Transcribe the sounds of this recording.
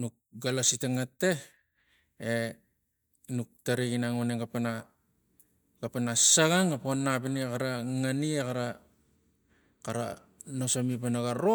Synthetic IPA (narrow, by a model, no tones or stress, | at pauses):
nuk̚ | ɡalasiteŋatːe | e | nuk̚taɾeɡinaŋoneɡapana | ɡapanasaɡaŋɡaponːapiniekaɾaŋaniekaɾa | kaɾa̰ | nosamipanaɡaɾo